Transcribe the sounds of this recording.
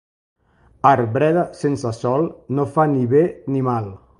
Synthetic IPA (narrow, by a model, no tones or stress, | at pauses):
aɾβɾɛðəsensəsɔlˠnofaniβenimalˠ